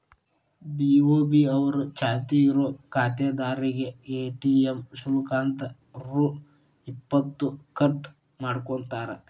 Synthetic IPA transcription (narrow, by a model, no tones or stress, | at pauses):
biːoːbiɐʋɐɾut͡ʃaːt̪iiɾoːkaːt̪eːd̪aːɾiɡeeːʈiːemʃuɾukaːnt̪ɐ | ɾu | ipːɐt̪ːukɐʈ | maːɽkoɳt̪aːɾe